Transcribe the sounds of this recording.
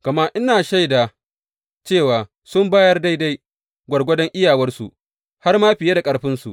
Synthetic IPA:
kɐ˨ma˦ʔɪ˦naː˨ʃa˦jda˨ | t͡ʃeː˦˨waː˨ | sʊ˦mbaː˦jɐ˦rda˦jda˦j | ɡʷɐ˨rɡʷɐ˦dɔ˦ŋʔɪ˦jaː˨wɐ˦rsu˨ʔ | ha˦rmaː˦ɸɪ˨je˦da˨kʼɐ˨˦ɽɸɪ˦nsṵ˨ʔ

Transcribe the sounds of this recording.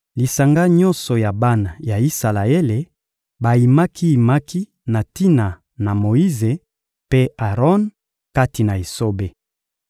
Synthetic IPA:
li˨sa˨ŋɡa˦ɲɔ˦nsɔ˨ja˨ba˦na˨ja˨i˦sa˨la˨e˦le˨ | ba˨ji˨ma˦ki˦i˨ma˦ki˦ | na˨ti˦na˨ | na˨mo˨i˦ze˨ | pe˦a˨ʁɔ˦n | ka˦ti˨na˨e˨so˦be˦

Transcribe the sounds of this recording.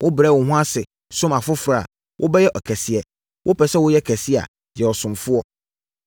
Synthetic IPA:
wʔʊ˦bɾɛ˦˨wʊ˨hʊ̃˦a˦sɪ˨ | sʊ̃˦ma˨fʊ˦fɾa̰˨ | wʔʊ˦bɛ˦jɛ˦ʔɔ˨kʰɛ˨si˨ɛ˨ | wʔʊ˦pʰɛ˨sɛ˦wʊ˦jɛ˦˨kʰɛ˨si˦a̰˨ | jɛ˨ɔ˨sʊ̃˨mfʊ˦ɔ˨

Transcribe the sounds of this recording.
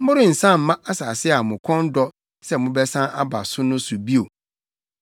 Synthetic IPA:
m̩˦ʊ˦ɾɪ̃˦n̩˨sã˦m̩˨mã˦ʔa˦saː˨sɪ˦a˨mʊ̃˨kʰɔ̃˦n˦dɔ˦ | sɛ˦mʊ̃˦bɛ˦sã˦ʔa˦ba̰˨sʊ˦nʊ̃˦sʊ˨bi˦o˨

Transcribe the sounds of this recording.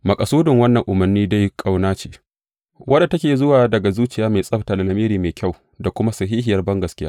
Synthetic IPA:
mɐ˨kʼɐ˨suː˦dɪ˨ŋwɐ˦nːɐ˨ŋʔʊ˨mɐ˨rniː˦da˦jkʼa˨wnaː˦t͡ʃeː˨ | wʔɐ˦da˨tɐ˦kʲeː˨zʊ˦waː˨dɐ˨ɡa˨zuː˦t͡ʃɪ˦˨jaː˦me˨sʼɐ˦ɸta˨la˨lɐ˨meː˦ɾiː˨meː˨kʲa˦˨w | da˨kʷʊ˦ma˦sɐ˨ɦiː˦ɦɪ˨jɐ˨rbɐ˦ŋɡɐ˨skʲɪ˦jaː˦ʔ

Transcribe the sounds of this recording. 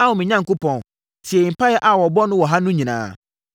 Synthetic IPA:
a˦wʊ˨mɪ̃˨ɲã˦ŋ̩kʊ˦pʰɔ̃˨n | si˨ɛ˨i˨m̩˨pa˦jɛ˦ʔa˨wɔ˨bɔ˦nʊ̃˦wɔ˨ɦa˦nʊ̃˦ɲĩ˨nã̰ː˨˦˨

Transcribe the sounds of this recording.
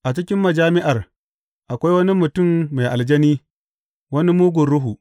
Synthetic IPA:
ʔa˨t͡ʃɪ˦kʲɪ˦mːɐ˨d͡ʒaː˦mɪ˦ʔa˨r | ʔa˨kʷa˦jwɐ˦ni˦mʊ˨tʊ˦˨mːa˨jʔa˨ld͡ʒɐ˦niː˦ | wɐ˦ni˦muː˦ɡʷʊ˨nɽʊ˦ɦu˨ʔ

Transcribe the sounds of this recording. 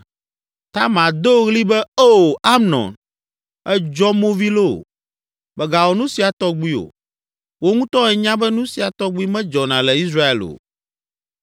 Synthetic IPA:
t̪a˦mã˨d̪o˦ɣli˦bɛ˦o˦˨a˦mnɔ̰̃˨n | ɛ˦d͡ʒɔ˦mõ˦vi˦lo̰˦˨ | bɛ˨ɡa˨wɔ˨nũ˦si˨a˨t̪ɔ˦ɡ͡bi˦o̰˨ | wo˦ŋũ˦t̪ɔ˦ɛ˨ɲã˦bɛ˦nũ˦si˨a˨t̪ɔ˦ɡ͡bi˦mɛ̃˦d͡ʒɔ˨nã˨lɛ˨i˦s̬ɾa˦ḛ˨lo̰˨

